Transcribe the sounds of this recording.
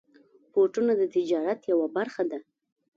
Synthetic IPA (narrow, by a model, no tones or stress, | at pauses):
poʈunod̪ət̪ɪd͡ʒɑɾat̪jawabaɾxad̪a